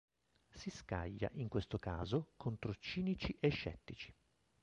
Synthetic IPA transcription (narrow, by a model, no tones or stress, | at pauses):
siska̰ʎːa̰ʔiŋkwest̪okaːzokʰont̪ɾot͡ʃiːnit͡ʃiʔeʃːɛ̰t̪ːit͡ʃi̥